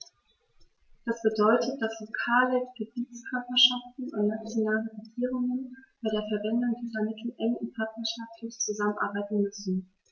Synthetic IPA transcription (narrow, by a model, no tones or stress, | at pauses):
d̥asb̥ədɔʏtʰət̚d̥aslokʰaːləɡ̥əbiːt͡skʰœɐpɐʃaftn̩ʊntnat͡sjonaːləʁeɡiːʁʊŋənb̥aɪɾeːɐfɛɐvɛndʊŋdiːzɐmɪtʰl̩ʔɛŋʊnpʰaɐtnɐʃaftʰlɪçt͡suzamənʔa̰ɐbaɪtn̩mʏsn̩